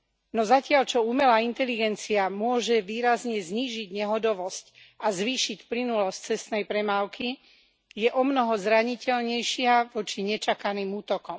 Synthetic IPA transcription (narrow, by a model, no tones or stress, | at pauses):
nɔzacɪaʎt͡ʃɔumɛlaːint̪ɛliɡɛnt͡siamʊɔʒɛʋiːɾazɲɛzɲiːʒiɟɲɛɦɔd̪ɔʋɔsc | azʋiːʃicplinulɔsc̚t͡sɛst̪nɛjpɾɛmaːlki | jɛʔɔmnɔɦɔzɾaɲicɛʎɲɛjʃɪaʋɔt͡ʃiɲɛt͡ʃakaniːmuːt̪ɔkɔm